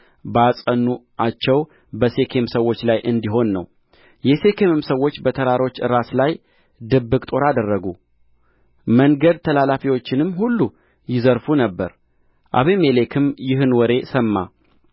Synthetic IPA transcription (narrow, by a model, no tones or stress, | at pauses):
bəasʼənːuʔat͡ʃːɛw | bəse̞kʰe̞msəwːo̞t͡ʃːlajʔɨnd̪iɦo̞nːəw | jɛse̞kʰemɨmsəwːo̞t͡ʃːbət̪ʰəɾaɾo̞t͡ʃːɨɾaslaj | d̪ɨbːɨkʼt̪ʼo̞ɾad̪ərːəɡu | məŋɡəd̪̚t̪ʰəlalafiwo̞t͡ʃːɪnɨmːhulːu | jɪzəɾfunəbːəɾ | ʔa̰βemelekʰɨmjɪɦɨnwɔɾe̞səmːa̰